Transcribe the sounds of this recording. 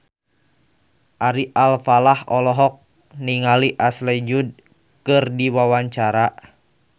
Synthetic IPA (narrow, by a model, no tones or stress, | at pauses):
ʔaɾiʔalfalahɔlɔɦɔk̚ | niŋaliʔaslɛd͡ʒud̚ | kɨrdiwawaɲt͡ʃaɾa